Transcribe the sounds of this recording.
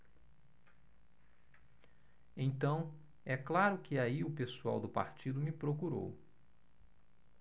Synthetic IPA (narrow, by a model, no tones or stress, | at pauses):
ẽj̃t̪ɐ̃w̃ | ɛklaɾʊkɪaiʊpesua̰wd̪ʊpa̰ɾt͡ʃid̪ʊmɪpɾokuɾo̰w